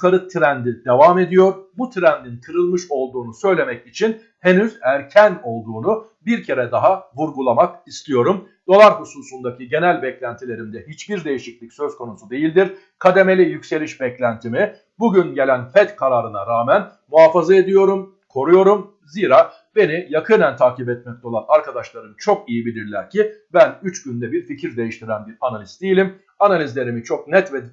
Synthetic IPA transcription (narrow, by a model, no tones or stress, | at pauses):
kaɾɯt̪ʰɾænd̪id̪evame̞d̪ijo̞ɾbut̪ʰɾænd̪int̪ʰɯɾɯlˠmɯʃo̞lˠd̪uːnusø̞jlʲe̞mɛcit͡ʃʰin | he̞nyzæɾcʰæno̞lˠd̪uːnu | biɾcʰe̞ɾɛd̪aɦavuɾɡulˠamakist̪ʰijo̞ɾum | d̪̥o̞lˠaɾhusuːsund̪aciɟe̞nælʲbɛclʲænt̪ʰilʲe̞ɾimd̪ɛɦit͡ʃbiɾd̪e̞jiʃiclʲicsøzkʰo̞nusud̪e̞jilʲd̪iɾ | kʰad̪e̞me̞lʲijycse̞lʲiʃbɛclʲænt̪ʰimi | buɟynɟe̞lʲænfɛt̪kʰaɾaɾɯnaɾaːmæn | muɦaːfazae̞d̪ijo̞ɾum | kʰo̞ɾujo̞ɾum | ziːɾaː | be̞nijakʰɯnɛnt̪ʰaːkibɛt̪̚mɛc̚t̪ʰo̞lˠanaɾkad̪aʃlˠaɾɯnt͡ʃʰo̞kijibilʲiɾlʲæ̰ɾcʰibænyt͡ʃɟynd̪ɛbiɾficʰiɾd̪e̞jiʃt̪ʰiɾænbiɾanalʲizd̪̥ejilʲim | analʲizlʲe̞ɾimit͡ʃʰo̞k̚nɛt̪vɛ